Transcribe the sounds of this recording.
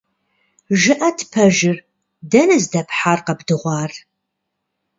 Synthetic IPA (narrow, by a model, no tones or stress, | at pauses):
ʒɨʔɐtʰpʰɐʒɪr | dɐnɨzdɐpʰħarqɐbdɨʁʷɑːr